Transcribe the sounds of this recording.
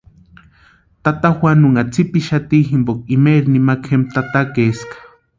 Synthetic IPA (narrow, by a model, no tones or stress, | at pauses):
t̪at̪axwanuŋat͡sʰipiʃat̪iɦimbok̚imeɾnimakʰxemt̪at̪akeskḁ